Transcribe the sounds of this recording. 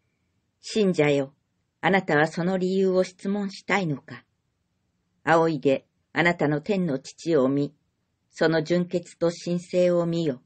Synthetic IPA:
ɕĩɲ̟d͡ʑajo̞ | anat̪aβ̞aso̞no̞ɾʲijɯːo̞ɕi̥t͡sɨmõɰ̃ɕi̥t̪aino̞ka | ao̞id̪e̞ | anat̪ano̞t̪ẽ̞nːo̞t͡ɕi̥t͡ɕio̞mʲi | so̞no̞d͡ʑɨ̃ŋke̞t͡sɨ̥t̪o̞ɕĩɰ̃se̞ːo̞mʲijo̞

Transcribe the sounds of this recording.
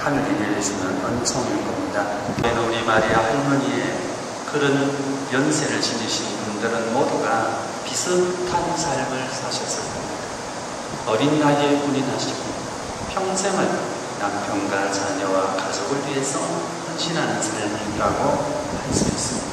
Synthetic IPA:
hʰanneɡeɾesʰimjʌnʌnt͡ɕʰʌŋeɡʌmɲida | kenʌuɾimaɾiahoɭmuɲie | kɯɾɯnmjʌnsʰe̞ɾɯɭt͡ɕinɯɕʰinbundɯɾɯnmoduɡa | pisʰɯptʰansʰaɭmɯɭsʰaɕʰʌs͈ɯɭk͈ʌmɲida | ʌɾindaɡepuɲinɦaɕʰiɡo | pʰjʌŋsʰe̞ŋan | nampʰjʌŋɡat͡ɕaɲʌwakad͡ʑʌɡɯɭɥie̞sʰʌ | hʌnɕʰinɦanɯnsʰaɭmiiɾaɡo | ans͈ɯes͈ɯmɲiidaa

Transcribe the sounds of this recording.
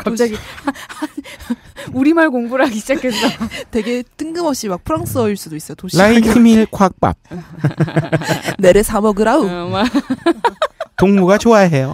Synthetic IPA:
kat͡ɕ͈aɡi | n | uɾimaɭkoŋbuɾaɡiɕid͡ʑakʰes͈ʌtwe̞ɡe̞t͈ɯŋɡɯmʌɕ͈imak̚pʰɯɾaŋs͈ʰɯʌiɭs͈udois͈ʌjotoɕlaitʰimiɭkʰak̚p͈a̰t̚ | ne̞ɾesʰamʌɡɯɾau | toŋmuɡat͡ɕoaɦe̞jo

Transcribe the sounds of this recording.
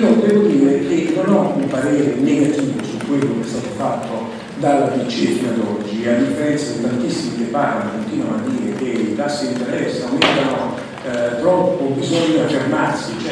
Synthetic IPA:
opd̪ɛːvod̪iːɾek̟enːonɔumpaɾeːɾeneɡat̪iːvosukːwelːokeɛst̪aːt̪ofat̪ːo | d̪alːadit͡ʃefiad̪ɔd͡ʒːiad̪ifːeɾɛnt̪sad̪it̪ant̪isːimipɾepaːɾimakːont̪iːnwanoad̪ːiːɾek̟eit̪asːiint̪eɾɛsːaomɛd̪ano | t̪ɾɔpːobizɔɲːoafermarsit͡ʃɛ

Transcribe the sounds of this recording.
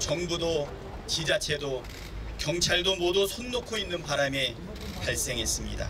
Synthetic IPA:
t͡ɕʌŋbudo | t͡ɕid͡ʑat͡ɕʰe̞do | kjʌŋt͡ɕʰaɭdomodusʰonːokʰoinːɯnpaɾame | paɭs͈e̞ŋɦe̞s͈ɯmɲḭda̰

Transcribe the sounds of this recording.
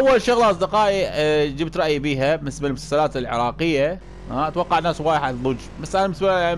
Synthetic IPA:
ʔawːalʃʊɣlʔɑsˤd̪ɪqɑːʔid͡ʒɪbt̪ɾˤɑʔjbiːɦamɪsmalmʊsalsalaːt̪ɪlʕɪ̰ɾˤɑːqɪjːa | aʔat̪wɑqːɑʕnaːswaːjħaðˤʊd͡ʒmasːʔanamɪsmaa

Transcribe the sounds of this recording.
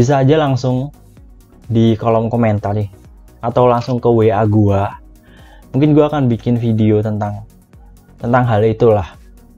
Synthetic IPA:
bis̬aːd͡ʒalaŋsʊŋ | dikolɔmkoment̪arɪ | at̪awlaŋsʊŋkəweaɡua | muŋkɪnɡuaːkanbikɪnfideot̪ənt̪aŋ | t̪ənt̪aŋɦalit̪ulah

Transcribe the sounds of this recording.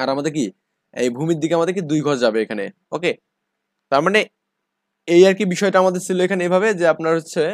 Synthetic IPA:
aɾamad̪eɾk̬i | ḛjbʱumiɾd̪ikeamad̪eɾkid̪ujɡʱɔɾd͡ʑabeekʰanḛ | oke | t̪aɾmane | ejaɾkibiʃɔeʈaamad̪eɾt͡ɕʰiloekʰaneejbʱabed͡ʑeapnaɾɦotːɕʰe

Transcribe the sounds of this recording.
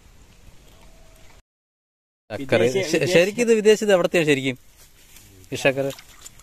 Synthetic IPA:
ɐkːɐɾɨɕɐɾikʲːuɐðɨʋid̪eːt͡ɕːɐðɐʋɽɐt̪ːijaːmɕɐɾikʲːum | iʂɐkːɐrɨ

